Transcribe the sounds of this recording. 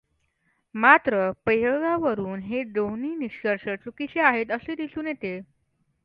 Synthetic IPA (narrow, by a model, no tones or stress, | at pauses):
mat̪ɾəpəjəɡaʋəɾuːnɦeɖowniːniɕkəɾʂət͡sukit͡ɕeaɦet̪əsed̪isuːnjet̪e